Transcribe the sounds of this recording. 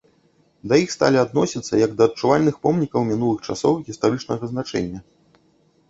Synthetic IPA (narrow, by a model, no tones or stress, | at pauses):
d̪ɐjixst̪a̰lʲiad̪nɔsʲit̪sːɐjɐɡd̪ɐːt̚t͡ʂuvalʲnɨxpɔmnʲikɐwmʲin̪ulˠɨxt͡ʂasɔwɣʲist̪aɾɨt͡ʂnɐɣɐznat͡ʂɛ̰nʲːɐ